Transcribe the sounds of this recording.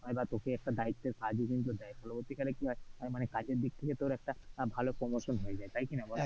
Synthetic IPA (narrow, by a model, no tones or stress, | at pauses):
ɦɔebat̪okeɛk̚ʈad̪ait̪ːeɾkad͡ʑikint̪ud̪aebɔlobot̪ikaɾekiɦɔeɔjmanekad͡ʑeɾd̪ik̚t̪ʰeket̪oɾɛk̚ʈabʱalopɾomoʃonɦoed͡ʑaet̪ajkinabɔl